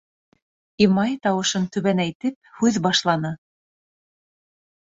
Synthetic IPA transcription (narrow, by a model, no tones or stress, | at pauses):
imɑjt̪ɑwɤ̆ʃɤnt̪ʉβænæjt̪ɘp̚hʉðbɑʃlˠɑnɤ